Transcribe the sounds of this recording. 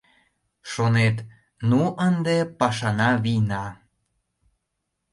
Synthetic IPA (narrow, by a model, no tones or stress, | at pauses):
ʃonet̪ | nuʔənd̪epɑʃɑnɑβinɑ